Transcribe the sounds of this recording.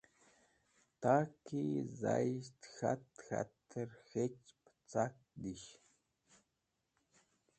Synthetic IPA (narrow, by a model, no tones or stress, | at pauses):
t̪akizajʃt̪xat̪xa̰t̪ʰəɾxet͡ʃpt͡sak̚ | d̪iʃ